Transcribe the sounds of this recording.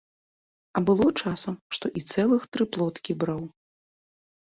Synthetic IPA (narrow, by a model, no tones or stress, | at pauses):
ɐbɨlˠɔt͡ʂasɐmʂt̪ɔʔit̪sɛlˠɨxt̪ɾɨplˠɔt̪kʲibɾaw